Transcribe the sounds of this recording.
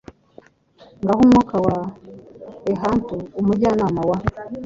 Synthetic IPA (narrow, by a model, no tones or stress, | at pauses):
ŋɡahumwukawa | eɦantuːmuɟanaːmawa